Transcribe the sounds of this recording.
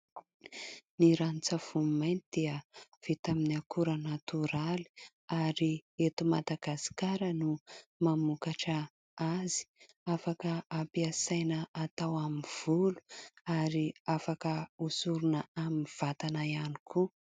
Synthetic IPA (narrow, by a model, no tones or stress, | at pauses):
niɾanit͡sav̥umajnt̪id̪̥iəv̥et̪aminiakʰuɾanat̪uɾali̥ | aɾiet̪umad̪aɡasi̥kaɾənumamukaʈ͡ʂə | azi̥ | afakəːpiasajnəat̪awamiv̥ulu̥aɾiafakəusuɾunəaminv̥at̪anaianikʰu